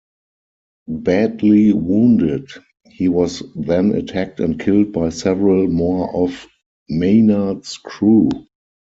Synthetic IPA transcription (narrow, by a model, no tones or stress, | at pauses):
bædliwũːndɪd | hiːwɔsðɛ̃nə̰tʰæk̚tɛ̃nt̚kʰɪld̚baɪsɛvəɹəlmɔʔɔf | meɪnadskʰɹuː